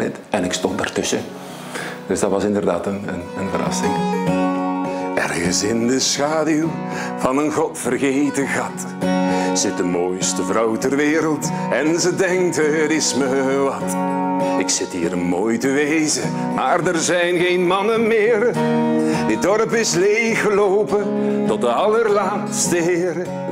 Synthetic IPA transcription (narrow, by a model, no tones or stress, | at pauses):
ɪ̰tɛnɪkstɔntdartɵsə | d̥ɵzdɑtʋɑsɪndərda̰ːtənənənvərɑ̰stɪŋ | ɛ̰rɣəsɪndəsxaːdyl | vɑnənɣɔtfərɣejtəɣɑt | z̥ɪt̚dəmoːjstəvrʌwtɛrʋɪːɾəlˠtɛnzədɛŋk̚tɦəɾɪsməʋɑt | ɪksɪtɦḭːɾənmoːjtəʋejzə | maːrdɛrzɛjnɣejnmɑnənmɪːr | dɪt̚dɔrpɪslejxəlowpəntɔt̚dəɑlərlaːtstəɦɪːɾə